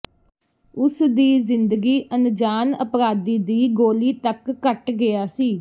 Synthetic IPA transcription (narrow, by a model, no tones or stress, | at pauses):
ʊsd̪iːzɪnd̪əɡiːʔənd͡ʒaːnə̰pɾaːd̪iːd̪iːɡoːliːt̪əkːəʈɡɪaːsiː